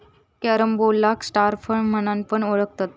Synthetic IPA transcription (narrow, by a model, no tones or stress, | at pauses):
kɛɾəmbolːaksʈaɾfʰəɳmənãnpəɳoɭək̚t̪at̪